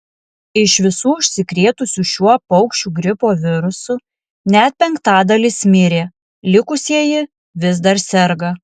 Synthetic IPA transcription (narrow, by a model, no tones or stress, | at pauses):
ɪʃʋʲɪsuːʊʃʲsʲɪkɾʲeːt̪ʊsʲuʃʲuɔpɐʊkʃʲt͡ʃʲuːɡɾʲɪpoːʋʲɪɾʊsʊ | nʲɛt̪̚ʲpʲɛŋkt̪ɑːd̪ɐlʲɪsmʲɪɾʲeː | lʲɪkʊsʲiɛjɪ | ʋʲɪz̬d̪ɐɾsʲɛɾɡɐ